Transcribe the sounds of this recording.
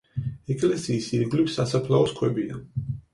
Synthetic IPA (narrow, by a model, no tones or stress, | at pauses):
ɛkʼlɛsiːsiɾɡlipsasapʰlaɔskʰwɛbid̪a̰